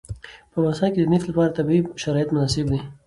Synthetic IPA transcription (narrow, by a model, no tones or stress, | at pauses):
pəmasaked̪ənɪflapɑɾat̪abiʃaɾɑjat̪mʊnɑsɪbd̪i